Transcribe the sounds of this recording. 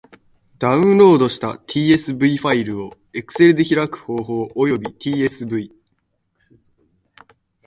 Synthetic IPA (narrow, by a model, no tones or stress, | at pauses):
d̪aɯ̟̃ɴɾo̞ːd̪o̞ɕi̥t̪a̰t̪ʲʰiːe̞sɨbɯ̟iɸaiɾɯ̟o̞ | e̞kɯ̟̥se̞ɾɯ̟d̪e̞çiɾakɯ̟̥ho̞ːɦo̞ːʔojo̞bʲit̪ʲʰiːe̞sɨbɯ̟i